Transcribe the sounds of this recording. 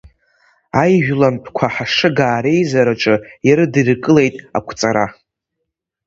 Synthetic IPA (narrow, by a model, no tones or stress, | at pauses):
ajʒᶣlampʰkʷʰaħaʂɨɡaːɾe̞jzaɾaʈ͡ʂʼɨjaɾɨdɨrkʼɨle̞jtʼa̰kʷʰt͡sʼaɾa